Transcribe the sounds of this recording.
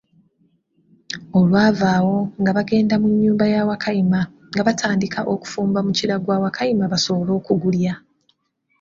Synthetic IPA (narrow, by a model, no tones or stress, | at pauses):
o̞lwaːvaːwo̞ŋɡaβaɡe̞ːndamuɲːuːmbajaːwakʰajima | ŋɡaβatʰaːndikaʔo̞ku̥fuːmbamuciɾaɡwaːwakʰajimaβaso̞βolo̞ːkuɡulja